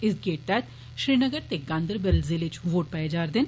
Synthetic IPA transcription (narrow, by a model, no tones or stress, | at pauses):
ɪsɡeːʈ̚t̪ɛt̪ | ʃɾiːnəɡəɾt̪eɡãːnd̪əɾbəlziːlɪt͡ʃʋoːʈ̚pɛjed͡ʒaːɾd̪ɪn